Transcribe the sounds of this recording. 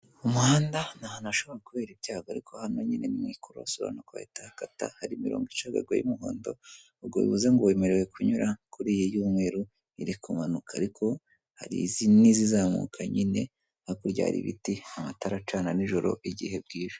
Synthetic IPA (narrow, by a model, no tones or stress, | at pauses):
umuhaːndanahanaʃo̞βo̞ɾakuβe̞ːɾibɟaːɡoaɾikʰo̞hanoɲinenimŋiːkʰuɾoasoβa̰nokwa̰hḛtahakata̰haɾimiɾo̞̰ːŋɡit͡ʃaɡa̰ɾɡwa̰jimuɦo̰ːndo̰ | uɡoḭβuzaŋɡowe̞meɾewekʰuɲuɾakʰuɾijijuːmŋe̞ːɾu | iɾikʰumanukʰaːɾikʰo̞ | haɾḭzinizizaːmṵkʰaɲine̞ | hakuɾɟa̰ɾḭβḭtiamataɾat͡ʃaːnaniʒo̞ɾo̞̰ʔiɟḭhe̞b̚ɡiːʒo